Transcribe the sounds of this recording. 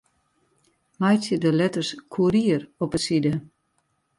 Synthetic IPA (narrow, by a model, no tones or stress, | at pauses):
majtjədəlɛtərskʰuɾiərɔpəsidə